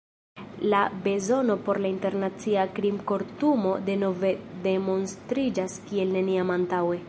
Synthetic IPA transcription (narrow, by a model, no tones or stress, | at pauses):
labe̞zo̞no̞po̞ɾlainte̞ɾnat͡siakɾimko̞ɾtumo̞deno̞ve̞de̞mo̞nstɾid͡ʒaskie̞lne̞niamantawe̞